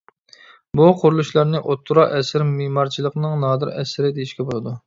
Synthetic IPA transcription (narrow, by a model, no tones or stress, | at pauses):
buqʰʊɾulˠuʃlˠɑɾnɨʔot̪ʰːuɾɑʔɛsɪɾmemɑɾt͡ʃʰilˠəqnɨŋnɑːd̪ɨɾɛsɪɾɪd̪ejiʃkʲɛbolˠɨd̪u